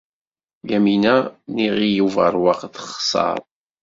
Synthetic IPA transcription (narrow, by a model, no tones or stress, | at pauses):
jæminæniʁijuvə̰ɾˤwɑqθəχsˤɑ̰ɾˤ